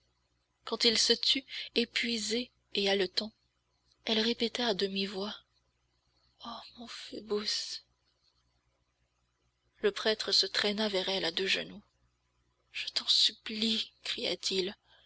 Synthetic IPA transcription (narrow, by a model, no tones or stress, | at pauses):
kɑ̃t̪ilsət̪ʰyepɥize | ealət̪ɑ̃ | ɛlʁepet̪aːd̪əmivwa | ɔmɔ̃febus | ləpχɛt̪χəsət̪χɛnavɛʁɛlad̪øʒə̰nu | ʒ̥ə̥t̪ɑ̃syplikχija̰t̪ʰil